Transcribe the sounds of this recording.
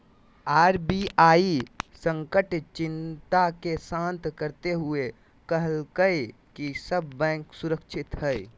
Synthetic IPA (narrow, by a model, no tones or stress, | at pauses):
aːɾbiaːisə̃ŋkəʈt͡ʃɪnt̪akesãːnt̪kəɾt̪eɦʊue | kəɦəlkəe | kisəbːɛ̃ːŋksuɾəkʃʰɪt̪ɦə